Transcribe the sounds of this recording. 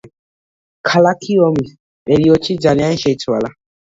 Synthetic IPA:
kʰalakʰiɔmis | ɗeɾiot͡ʃʰid͡ʒaliãn̩ʃetʰuala

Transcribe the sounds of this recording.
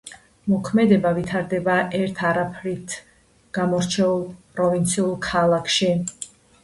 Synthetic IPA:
mɔkʰmɛd̪ɛbavit̪ʰaɾd̪ɛbaʔɛɾt̪ʰaɾapʰɾit̪ʰ | ɡ̥amɔɾt͡ʃʰɛulˠpʼɾɔvint̪sʰiulˠkʰalˠakʰʃi

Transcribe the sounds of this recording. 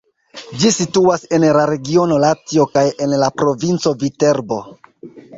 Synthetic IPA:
d͡ʒisituase̞nlaɾe̞ɡio̞no̞latio̞kaje̞nlapɾo̞vint͡so̞vite̞ɾbo̞

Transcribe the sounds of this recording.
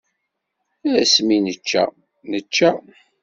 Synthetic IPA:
æɾæsminət͡ʃːæ̰ | nət͡ʃːa

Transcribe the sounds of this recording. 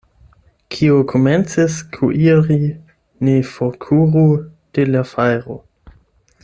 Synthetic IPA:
kʰiokʰoment͡siskʰuʔiɾi | nefoɾkʰuʁud̥elafajɾo

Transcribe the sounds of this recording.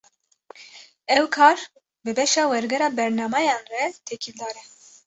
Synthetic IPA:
ɛwkʰɑːɾ | bɨbɛʃɑːwɛɾɡɛɾɑːbɛɾnɑːmɑjɑːnrɛt̪ʰɛkʰild̪ɑːɾɛ

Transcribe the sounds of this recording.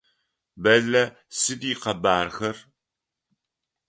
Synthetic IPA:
bɐɮɐ | sɨdiːqɐbaːrxɐr

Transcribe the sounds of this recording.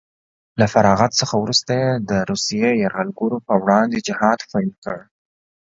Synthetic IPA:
lafaɾɑɣat̪səxawɾust̪ajed̪əɾusijejaɾɣalɡuɾopəwɽɑnd̪ed͡ʒɪhɑd̪fɑlkəɽ

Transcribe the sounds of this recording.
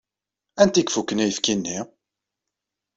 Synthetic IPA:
ænt̪ikfukːənæjəfkinːi

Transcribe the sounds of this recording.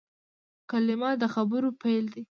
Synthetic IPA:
kalɪmɑd̪əxabəɾopajld̪i

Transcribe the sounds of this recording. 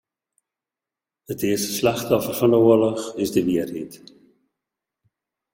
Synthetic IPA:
ətɪəstə̥slɛχtɔfərvɑndəuːəlɔχɪzdəʋiərit

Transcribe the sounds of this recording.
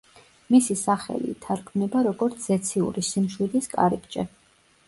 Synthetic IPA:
misisaχɛ̰lḭt̪ʰaɾkʰmnɛbaɾɔɡɔɾt̪sʰzɛt̪sʰiṵɾisimʃwid̪iskʼa̰ɾipt͡ʃʼɛ

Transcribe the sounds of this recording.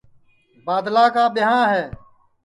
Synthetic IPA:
baːd̪laːkaːɓɪɦãːɦɛː

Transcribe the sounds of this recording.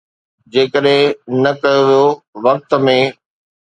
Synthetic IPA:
d͡ʑeːkəɗɦɪ̃nɐkɐjoʋijoʋɐk̚t̪mẽ

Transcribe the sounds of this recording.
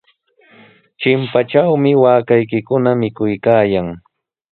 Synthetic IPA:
t͡ʃɪmpat͡ʃawmɪwaːkajkɪkʊnamɪkʊjkaːjaŋ

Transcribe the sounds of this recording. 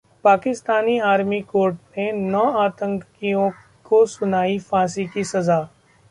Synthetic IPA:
paːkɪst̪aːniaːɾmikoːɾʈnenɔːaːt̪ə̃ŋkkijõ | kosʊnaːifãːs̬ikisɐzaː

